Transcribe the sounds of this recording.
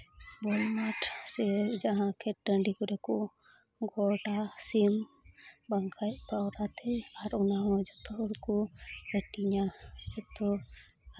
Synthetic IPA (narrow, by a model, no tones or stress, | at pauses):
bɔlmaʈsɛd͡ʒaɦãkʰɛt̚dənɖikɔɾɛkɔ | ɡɔʈasim | baŋkʰajtpawɾat̪ɛjaɾunawɔd͡ʒɔt̪ɔɔɾkɔəʈiɲad͡ʒɔt̪ɔ